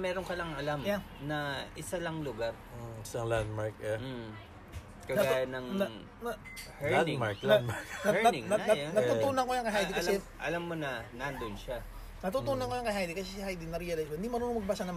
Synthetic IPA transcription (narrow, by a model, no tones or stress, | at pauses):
mɛːɾoŋkɐlɐŋɐlamja | nɐʔɪsalɐŋlʊɡaɾ̩ | ɪsɐŋland̪̚maɹkɛ | kɐnɐɡajɐnɐŋnɐ | nɐ | hɛanŋmaɹklamaɹkɐnɪŋnɐɐɐt̪ut̪uːnɐŋkojɐŋkɐjɦajd̪ikɐsɛ | ʔɐ̰lamːonɐnand̪onʃa | nɐt̪uːt̪uːnɐŋkojɐŋkɐjɦajd̪ikɐsɛsɪhajd̪inɐɾijɐlajskoɪnd̪imɐɾuːnʊmɐɡ̚basɐnɐ